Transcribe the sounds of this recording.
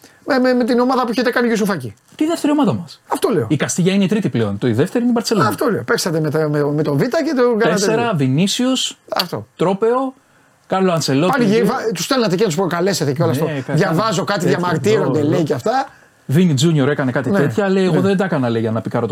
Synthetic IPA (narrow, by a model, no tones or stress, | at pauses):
mememet̪ino̞mɐðɐpueçet̪ekɐnicos̬ufɐci | t̪iðeft̪eɾiomɐt̪ɐmɐsɐft̪o̞le̞oikɐst̪iʝɐineit̪ɾit̪iple̞o̞nt̪oiðeft̪e̞ɾineibɐɾse̞loɐft̪o̞leopeksɐt̪emet̪ɐmemet̪o̞vit̪ɐce̞t̪oɡɐesst̪eɾɐvinisiusɐ̰ft̪o̞̰t̪ɾo̞pe̞o̞ | kɐloɐnse̞lo̞tpɐniivɐt̪ust̪elnɐt̪ecenɐt̪uspɾo̞kɐle̞se̞t̪eceolɐst̪oðʝɐvɐzo̞kɐt̪iðʝɐmɐɾt̪iɾo̞nd̪eleiceɐft̪ɐ | vinid͡zuɲoɾe̞kɐne̞kɐt̪inet̪çɐlejeɣoðend̪ɐkɐnɐleiʝɐnɐpikɐɾo̞t̪